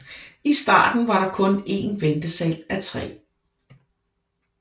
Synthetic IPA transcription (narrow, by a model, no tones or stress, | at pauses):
isd̥ɑ̰̈ːd̥n̩ʋɑ̈ɾɑ̈kʰɔ̽ne̝nʋend̥əsɛ̰læt͡sʰʁɛ̰ː